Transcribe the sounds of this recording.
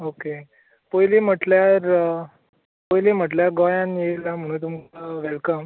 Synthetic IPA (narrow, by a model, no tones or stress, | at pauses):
oke | pəjlem̤əʈljaɾ | pəjlem̤əʈljaɡɔjãnjelam̤əɽ̃ũːt̪̬umaʋelkəm